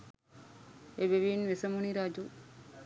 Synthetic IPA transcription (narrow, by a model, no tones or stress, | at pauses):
eʋeʋiːnʋɪsɐmuɳiɾaːd͡ʒu